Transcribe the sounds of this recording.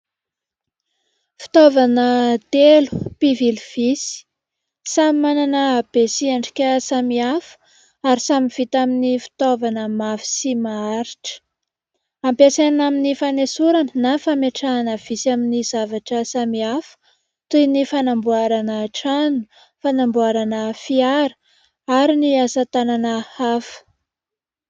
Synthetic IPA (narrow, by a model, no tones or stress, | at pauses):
fi̥t̪ovanət̪elu̥pivilv̥isi̥ | samimananəːb̥esiaɳɖ͡ʐi̥kʲəsamiafə̥ | aɾisamiv̥it̪aminifi̥t̪ovanəmafi̥simaaɾiʈ͡ʂə̥ | ampjasenanaminifanesuɾanənafameʈ͡ʂanəv̥isaminizavaʈ͡ʂəsamiafə̥ | t̪ujnifanambuaɾanəʈ͡ʂanu̥ | fanambuaɾanəfiaɾə̥ | aɾiniasat̪ananəafə̥